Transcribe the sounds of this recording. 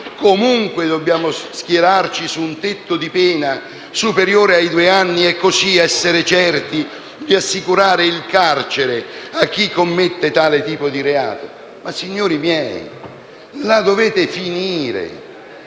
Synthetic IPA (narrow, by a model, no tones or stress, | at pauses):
komuŋkwɪd̪obːjaːmʊskjeɾart͡ʃisuːnt̪ɪt̪ːʊd̪ipɛːna | supeɾjoːɾeajd̪ueanːiɛkːosiɛsːeɾɪt͡ʃɛrt̪i | d̪iasːikuɾaːɾɪilkart͡ʃeɾɪakːikːomːet̪ːet̪aːlɪt̪iːpʊd̪iɾea̰ːt̪o | masːiɲːoːɾimjɛj̰ | lad̪ovɛːt̪ɪfiniːɾḛ